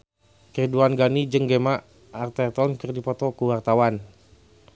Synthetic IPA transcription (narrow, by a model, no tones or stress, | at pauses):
kriduanɡanid͡ʒəŋɡemaʔː | rt̪ɛrt̪ɔnkɨrdipɔt̪ɔkuwart̪awan